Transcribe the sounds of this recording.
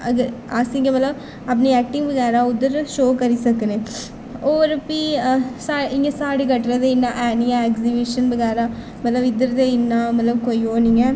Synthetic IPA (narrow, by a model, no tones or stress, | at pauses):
ɐɡəɾ | aːsiŋɡemɐt̪ləb | ɐp̬niɛːk̚ʈɪ̃ŋɡbɐɡaːɾãːʊd̪ːəɾʃoːkɐɾisɐkːəneː | oːʋəɾɐpːisaːɪŋɡesaːɽeɡɐʈːɾad̪eɪnːãʔɛːnijãekzibiʃənbɐɡaːɾãː | mɐt̪lɐbɪd̪ːəɾd̪eɪnːãːmɐt̪ləbkoioːniŋɡɛ